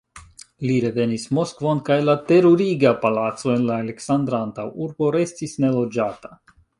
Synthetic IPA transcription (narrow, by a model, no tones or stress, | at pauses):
liɾe̞ve̞nismo̞skvo̞nkajlate̞ɾoɾiɡapalatt͡so̞e̞nlaːle̞ksand̪ɾaantawuɾbo̞ɾe̞stisne̞lo̞d͡ʒata